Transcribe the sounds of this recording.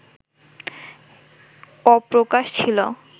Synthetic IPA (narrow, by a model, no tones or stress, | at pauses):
ɔpɾokaʃt͡ɕʰilo